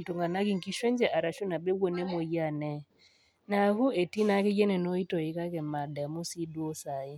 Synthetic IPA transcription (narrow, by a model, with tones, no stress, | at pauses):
tu˨ŋɡa˨na˦ki˦ŋ˨ki˦ʃwɛ˦n˦d͡ʒɛ˨ʔa˨ɾa˨ʃu˦na˨bɛ˦ɡwɔ˨nɛ˦mɔ˨ja˦˨nɛ˦ | na˨hu˦ɛ˨ti˦na˦kɛ˦jɛ˦nɛ˨nɔ˦i˦tɔ˨i˨ka˦kɛ˨ma˨da˨mu˦si˦dwɔ˦sa˨ɪ˦